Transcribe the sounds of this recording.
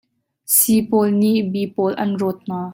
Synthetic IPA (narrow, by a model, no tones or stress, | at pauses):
sipɔlniʔbipɔlʔɐ̰nrɔt̪̚n̥aː